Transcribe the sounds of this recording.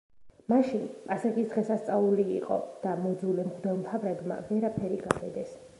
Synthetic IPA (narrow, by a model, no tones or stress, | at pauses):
maʃinpʼasaɡisd̪ʁɛsast̪sʼaulḭːqʼɔ̰d̪̥amɔd̪zulɛmɡd̪ɔlmt̪ʰavɾɛd̪ma̰vɛɾapʰɛɾiɡabɛd̪ɛs